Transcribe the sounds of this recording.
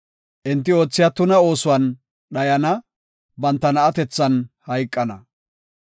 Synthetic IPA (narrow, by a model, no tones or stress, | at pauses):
ʔɪnt̪ːɪo̞ːt͡sːɪjat̪ʊnɐo̞ːsʊwɐn | ɗɐjɐnɐ | bɐnt̪ːɐnɐːt̪ɛt͡sːɐnhɐjkʼːɐnɐ